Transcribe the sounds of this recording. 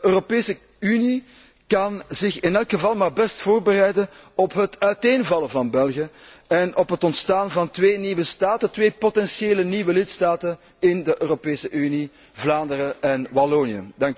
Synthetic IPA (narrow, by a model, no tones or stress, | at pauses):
əøːropeːsə | yni | kɑnzɪxɪnɛlˠkxəvɑlˠmaːrbɛstfoːrbərɛjdənɔpɦətœɥteːnvɑləvɑnbɛlˠɣijə | ɛnɔpɦətɔntstaːnvɑntʋeːniwəstaːtətʋeːpotɛnsjeːləniːʋəlɪtstaːtən | ɪndəʔøːropeːsəʔyni | vlaːndəɾəɛnwaloːniə̰d̥ɑŋk